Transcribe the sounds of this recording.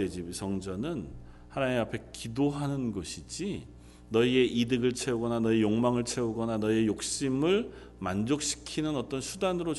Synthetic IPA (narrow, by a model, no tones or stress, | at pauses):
ed͡ʑisʌŋd͡ʑʌnɯn | hanaeapʰe̞kidoɦanɯnɡoɕʰid͡ʑi | nʌie̞ʔidɯɡɯɭt͡ɕʰe̞uɡʌnanʌijoŋmaŋɯɭt͡ɕʰe̞uɡʌnanʌie̞jok̚ɕ͈imɯɭ | mand͡ʑok̚ɕ͈i̥kʰinɯnʌt͈ʌnsʰudanɯɾo